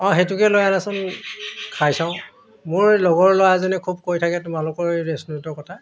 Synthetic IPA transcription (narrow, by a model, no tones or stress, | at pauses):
ɔ̃ɦetʊkɛlojanasʊnkʰajsãʊ̃ | mʊɹlɔɡɔɹlɔwazɔnɛkʰub̚kojtʰakɛtʊmalʊkɔɹɹesnutɔɹkɔtʰa